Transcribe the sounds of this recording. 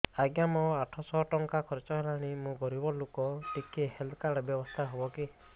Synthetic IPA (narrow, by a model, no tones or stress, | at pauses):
aɡjamɔaʈʰɔsɔɦʈɔŋkakʰɔɾet͡ʃɔɦelaɽ̃imũɡɔɾibɔlokɔʈikeheld̪kaɽɔbjɔbɔst̪ʰaɦobɔki